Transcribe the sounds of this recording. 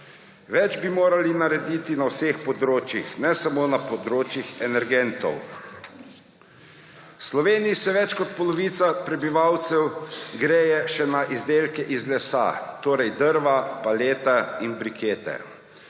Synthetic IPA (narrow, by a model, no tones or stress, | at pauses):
ʋɛd͡ʒbimoːɾalinaɾɛd̪iːt̪inawsexpɔd̪ɾoːt͡ʃjixnɛsamoːnapɔd̪ɾoːt͡ʃjixɛnɛɾɡɛnt̪ɔ̰w | slɔʋeːnijisɛʋɛt͡ʃkɔt̪pɔlɔʋiːt̪sapɾɛbiʋawt̪sɛwɡɾeːjɛʃɛnaʔizd̪eːlkɛʔizlɛsa̰t̪oːɾɛjd̪əɾʋapaleːt̪ainbɾikʰeːt̪ɛ̰